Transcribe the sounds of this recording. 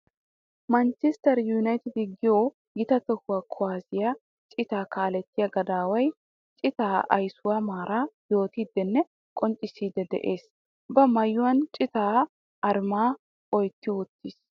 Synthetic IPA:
mɐnt͡ʃɛst̪ɐɾjʊnɐjt̪ɪd̪ɪɡɪjo | ɡɪt̪ɐt̪ɔhʊwaːkʰɔwaːsɪja | t͡ʃʼɪt̪aːkaːlɛt̪ːɪjɐɡɐd̪aːwɐj | t͡ʃʼɪt̪aːʔɐ̰jsʊwamaːɾʔaːjo̞ːt̪iːd̪ːɛnːɛ | kʼɔnt͡ʃʼɪsiːd̪ɛd̪ɛ̰ʔeːs | bɐmɐjːʊwɐnt͡ʃʼɪt̪aː | ʔɐɾmaː | ɔjt̪ːɪwʊt̪ːɪs

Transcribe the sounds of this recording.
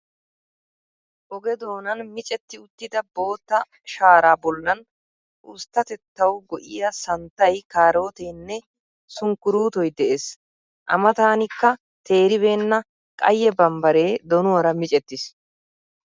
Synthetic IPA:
ʔɔɡɛd̪o̞ːnɐnmɪt͡ʃʼɛt̪ːɪʊt̪ːɪd̪ɐbo̞ːt̪ːɐ | ʃaːɾaːbɔlːɐn | ʔʊst̪ːɐt̪ɛt̪ːɐwɡɔʔɪjɐsɐnt̪ːɐjkaːɾo̞ːt̪eːnːɛ | sʊŋkːʊɾuːt̪ɔjd̪ɛʔes | ʔɐ̰mɐt̪aːnɪkːɐ | t̪ʰe̞ːɾɪbe̞ːnːɐ | kʼɐ̰jːɛbɐmbɐɾe̞ːd̪ɔnʊwɐɾɐmɪt͡ʃʼɛt̪ːɪs

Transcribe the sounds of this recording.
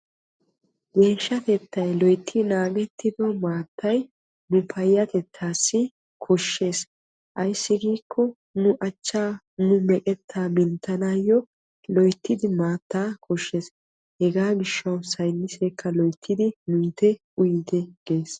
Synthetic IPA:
ɡe̞ːʃːɐt̪ɛt̪ːɐjlɔjt̪ʰːɪnaːɡɛt̪ʰːɪd̪ɔmaːt̪ːɐj | nʊpʰɐjːɐt̪ɛt̪ʰːaːsːɪ | kʰɔʃːe̞ːs | ʔɐjsːɪɡiːkʰːɔ | nʊʔɐt͡ʃːaː | nʊmɛkʼɛt̪ʰːaːmɪnt̪ːɐnaːjɔ | lɔjt̪ːɪd̪ɪmaːt̪ːaːkɔʃːe̞ːs | hɛɡaːɡɪʃːɐwsɐjnːɪseːkːɐlɔjt̪ʰːɪd̪ɪnʊjt̪ɛ | ʊjd̪ɛɡ̥e̞ːs

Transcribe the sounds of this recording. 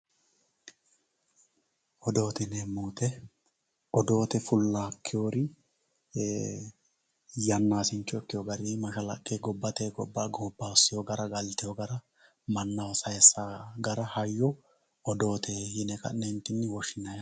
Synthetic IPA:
ɔd̪o̞ːt̪ɪnɛmuːt̪ɛ | ɔd̪o̞ːt̪ɛfʊlːaːkʰːɪjoːɾɪ | jɐnːaːsɪnt͡ʃːɔɛkːɪjɔɡɐɾimɐʃɐlɐ̰kʼːeɡɔbːɐt̪ɛɡɔ̰bːaɡobːaɔsːɪjɔɡɐɾɐɡɐlt̪ɪjɔɡɐɾɐ | mɐnːɐwɔsɐjɛsːaɡɐɾɐhɐjːɔ | ɔd̪o̞ːt̪ʰɛhɪnɛkɐ̰nnɛnt̪ːɪnːɪwɔʃɪnɐjɐ

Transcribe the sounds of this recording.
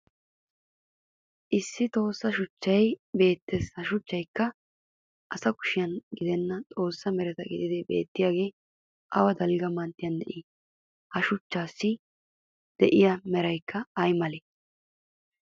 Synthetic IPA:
ʔɪsːɪt̪ʼo̞ːsːɐʃʊt͡ʃːɐjbe̞ːt̪ːesɐʃʊt͡ʃːɐjkːɐ | ʔɐsɐkʊ̥ʃɪjɐnɡɪd̪ɛnːɐt̪ʼo̞ːsːɐmɛɾɛt̪ɐɡɪd̪ɪd̪ɪbe̞̰ːt̪ːɪjaːɡe̞ː | ʔɐwɐd̪ɐlɡɐmɐnt̪ːɪjɐnd̪ɛʔɪ | hɐʃʊt͡ʃːaːsːɪ | d̪̥ɛʔɪjɐmɛɾɐjkʰːɐɐjmɐle

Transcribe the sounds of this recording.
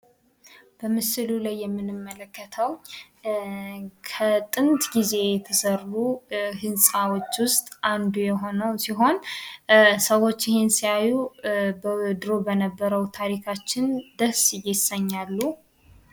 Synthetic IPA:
b̥əmɨsɨlulajːɛmːɨnɨmːələkːət̪ʰəw | kʰət̪ʼɨnt̪ʼɡize̞jɛt̪ʰəsəruhɨnsʼawo̞t͡ʃːwʊst̪ʼʔand̪ujɛɦo̞nəwsiɦo̞n | səwo̞t͡ʃːɪhe̞nsijajubəd̪ɨɾo̞bənəbːəɾəwt̪ʰaɾikʰat͡ʃːɪnd̪əsjɪsəɲːalːu

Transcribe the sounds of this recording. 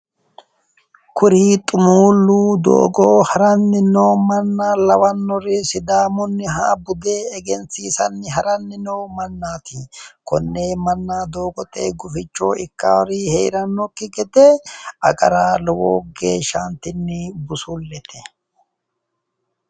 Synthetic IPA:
kʰʊɾiːt̪ʼʊmuːlːuːd̪o̰ːɡoːhɐɾɐnːɪnoːmɐnːaːlɐwɐnːɔɾɪsɪd̪aːmʊnːɪɦa̰ːbʊd̪e̞ːɛɡɛnt͡siːsɐnːɪɦɐɾɐnːɪnɔwmɐnːaːt̪ikɔnːe̞ːmɐnːaːd̪oːɡɔt̪ʼeːɡʊfɪt͡ʃːo̰ːɪkːa̰wɾiheːɾɐnːɔkːɪɡɛd̪ɛɐ̰kʼɐɾaːlɔwo̰ːɡḛːʃant̪ɪnːɪbʊsʊlːɛt̪ʰɛ

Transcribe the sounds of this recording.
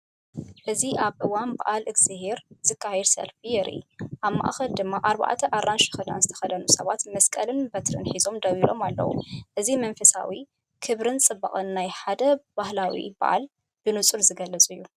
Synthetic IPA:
ʔɨziʔaβʔɨwanba̰ʔalɨɡz̥ɨɦeɾz̥ɨkʰːahɛd̪sɐ̰lfijɛɾɨ̰jʔaβma̰ʔaxɐld̪ɨmːaʔaɾba̰ʔt̪ʰɐʔarːanʃɨ̥xɨd̪a̰nzɨt̪ʰɐ̥xɐd̪ɐnusɐβat̪mɐskʼɐlɨnbɐt̪ʰɾɨ̰nħizo̞md̪ɐwilo̞̰malːɐ̰wṵʔɨzimɐnfɐsa̰wi | kʰɨβɾɨnt͡sʼɨbːa̰χʼɨnːajħad̪ɐbahlawḭba̰ʔa̰l | b̥ɨnɨt͡sʼulzɨɡɐlːɐt͡sʼujːu

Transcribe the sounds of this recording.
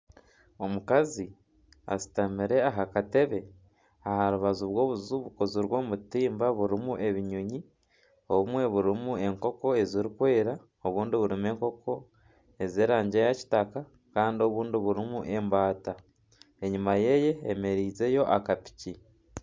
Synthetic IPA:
o̞mukazi | a̰si̥tamiɾe̞aɦakate̞βe̞ | ahaɾuβazuβwo̞ːβuzuβukoziɾwo̞ːmutiːmbaβuɾimuʔe̞βiɲuɲi | o̞βumwe̞βuɾimue̞ŋko̞ko̞e̞ziɾikwe̞ːɾa | oβuːndiβuɾime̞ːŋko̞kʰo̞ | e̞zeːɾaːɲɟejaci̥taka | kaːndio̞βuːndiβuɾimuʔe̞mbaːta | e̞ɲumaje̞je̞ːme̞ɾiːze̞jo̞ʔakapi̥ci

